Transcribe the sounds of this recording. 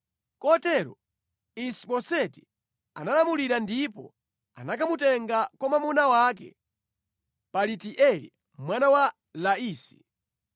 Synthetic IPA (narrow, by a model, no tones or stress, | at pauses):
kɔtɛɾɔ̰ | isiɓɔsɛti | a̰nalamuliɾandipɔ̰ | a̰nakamutɛŋɡakɔmamunawak̬ɛ̰ | palitiʔɛlḭ | mwanawa | laiːsi̥